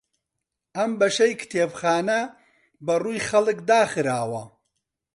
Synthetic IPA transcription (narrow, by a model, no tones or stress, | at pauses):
ʔɐmbɐʃɐjkʰɨ̥t̪ʰeːbxaːnɐ | bɐruːjxɐlɨkd̪aːxɨɾaːwɐ